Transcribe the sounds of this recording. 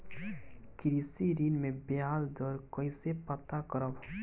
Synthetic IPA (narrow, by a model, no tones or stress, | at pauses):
kiɾisiɾinmebeɦazd̪ɔɾkɔjsepat̪akɔɾɔb